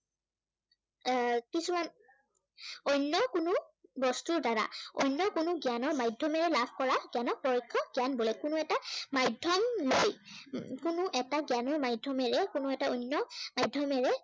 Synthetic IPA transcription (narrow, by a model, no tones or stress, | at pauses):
kisuman | ɔjnːjɔkʊnʊbɔstuɹdaɹa̰ɔjnjɔkʊnʊɡjanɔɹmajdʱɔmɛɹɛlabʰʱkɔɹaɡjanɔk̚pɔɹɔkʰːɔɡjanbolɛkʊnʊɛtamajdʱɔmlojkʊnʊʔɛtaɡjanɔɹmajdʱɔmɛɹɛkʊnʊɛtaɔjnjɔmajdʱɔmɛɹɛ